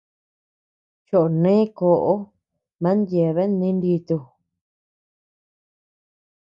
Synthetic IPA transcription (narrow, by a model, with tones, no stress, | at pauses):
t͡ʃo˨ʔo˨nẽ˦ko˧ʔo˦ | mã˨˦nd̪je˨βe˦nĩ˦ndi˧t̪u˧